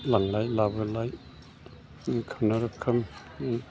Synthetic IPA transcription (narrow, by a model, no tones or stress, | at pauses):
laŋlajlabɯlaj | kʰamnaɾɯkʰːɯm